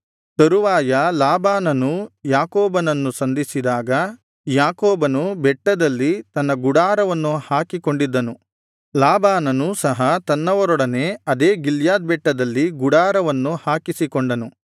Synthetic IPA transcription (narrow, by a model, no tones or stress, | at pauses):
t̪ɐɾuʋaːjɐlaːbaːnɐnujaːkɔːbɐnɐnːusɐnd̪ʱisid̪aːɡɐ | jaːkɔːbɐnubɛʈːɐd̪ɐlːit̪ɐnːɐɡuɽaːɾɐʋɐnːuhaːkikoɳɖid̪ːɐnu | laːbaːnɐnusɐɦɐt̪ɐnːɐʋɐɾɔɽɐne̞ɐd̪eːɡiljaːd̪̚bɛʈːɐd̪ɐlːiɡuɽaːɾɐʋɐnːuhaːkisikoɳɖɐnu